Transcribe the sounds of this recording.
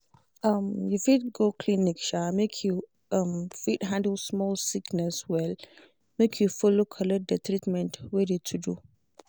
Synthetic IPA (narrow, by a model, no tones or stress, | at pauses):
ʌmjufid̚ɡokʰlinikʃamekʰju | ʌmfidɦãndəlsmɔlsiknɛswɛl | mekʰjufulukʰəlɔd̚d̪ət̪ɾitmɛ̃ntweditʰudu